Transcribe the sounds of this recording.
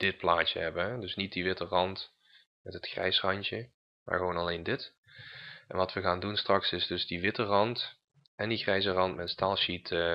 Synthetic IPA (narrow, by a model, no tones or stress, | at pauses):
d̥ɪt̚plaːtə̰ɦɛbənɦɛdɵsnit̚diʋɪtərɑnt | mɛtɦətxrɛ̰jsrɑnt͡ʃə | ma̰ːɹɣəʋonɑlejndɪt | ɛ̰nʋɑtʋəɣaːndunstrɑksɪzdɵzdiʋɪtərɑnt | ɛndiɣrɛjzərɑntmɛtstaːlˠʃit